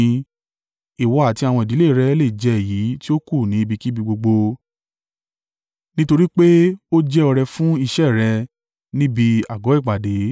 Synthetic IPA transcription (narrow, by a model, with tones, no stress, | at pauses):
i˨wɔ˧a˨ti˧˦a˧w̃ɔ̃˧i˨di˨˦le˦˨ɾɛ˧˦le˦˨d͡ʒɛ˨˧˨ji˨˦ti˦o˦ku˦˨nĩ˨˦i˦˧bi˧ki˦bi˧ɡ͡bo˧ɡ͡bo˧ | nĩ˦to˧ɾi˦k͡pe˦o˦d͡ʒɛ˦ɔ˧ɾɛ˧fũ˦i˧ʃɛ˦˨ɾɛ˧ | nĩ˦bi˧a˨ɡɔ˨˦i˦˨k͡pa˨de˨˦